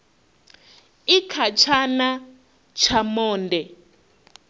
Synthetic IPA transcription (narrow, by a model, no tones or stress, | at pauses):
ikʰat͡ʃʰana | t͡ʃʰamɔːndɛ